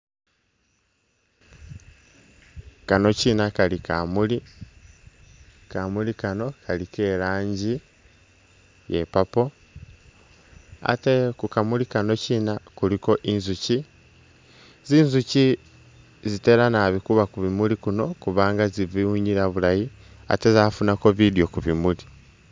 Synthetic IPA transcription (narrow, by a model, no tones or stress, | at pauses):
kano̞cinakalikamuli | kamulikano̞kʰalike̞ɾaːɲɟi | jḛpapo | a̰tekukamulikano̞ciːnakuɾiko̞ʔinzuci | zinzuci | zite̞ɾanaβikuβakuβimulikuno̞kuβaːŋɡaziβiuɲiɾaβulaji | a̰te̞zafunako̞βidjo̞kuβimuli